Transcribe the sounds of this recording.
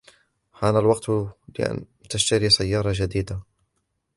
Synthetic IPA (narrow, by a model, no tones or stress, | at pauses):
haːnalwɑqt̪lɪ̰ʔa̰n | t̪aʃt̪aɾisajːɑːɾˤɑʒad̪iːd̪a